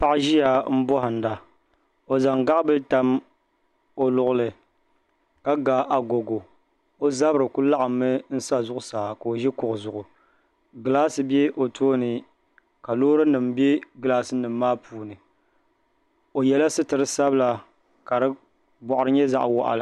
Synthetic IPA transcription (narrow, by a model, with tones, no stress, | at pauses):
pa˦ʔʒi˦ja˨m̩˦bɔ˦hɨ˨n˨da˨ | o˨za˨ŋɡa˦ʔbɨ˦ta˦m | o˨lʊ˦˨ʔʊ˦lɨ˨ | ka˦ɡa˨ʔa˨ɡo˨ɡo˨ | o˦za˦bɾɨ˨ku˦la˦ʔa˨mːɨ˦n̩˦sa˦zʊ˦ʔʊ˦saː˨ka˨o˨ʒɛ˦kʊ˨ʔʊ˨zʊ˨ʔʊ˨ | ɡɨ˨laː˦sɨ˨bjɛ˦ʔo˨tʰoː˦nɨ˨ | ka˨loː˦ɾɨ˦nɨ˨mbe˦ɡɨ˨laː˦sɨ˦nɨ˨mː˦aː˦pʰuː˨nɨ˨ | o˨jɛ˦la˦sɨ˦tɨ˨ɾɨ˦sa˦bɨ˦la˨ | ka˨ɾɨ˦ | bɔ˨ʔʊ˨ɾɨ˦ɲɛ˦za̰˦ʔwɔ̰˦ʔa̰˨la˨